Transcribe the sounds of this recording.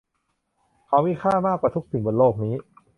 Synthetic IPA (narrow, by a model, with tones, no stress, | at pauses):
kʰa˦˥wmiː˦˥˩kʰaː˥˩maː˥˩kwaː˨˩t̪u˦˥k̚si˨˩˦bo˨˩˦nloː˥˩k̚niː˦˥